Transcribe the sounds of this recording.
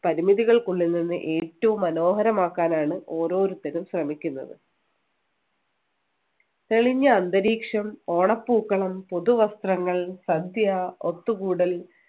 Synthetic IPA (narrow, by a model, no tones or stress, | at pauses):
pɐɾimiðiɣɐɭkuɭːilnːinːɨ̰ʔe̞ːtːɐʋumːɐno̞ːɦɐɾɐmaːkːaːnaːɳɨo̞ːɾo̞ːɾut̪ːɐnumɕrɐmikʲːunːɐ̰ðɨ | t̪eɭiɲːɐːnd̪ɐɾiːkʂɐmo̞ːɳɐpːuːkːɐɭɐmpo̞ðuʋɐst̪rɐŋːɐɭsɐd̪ʱjɐot̪ːuɣuːɽɐl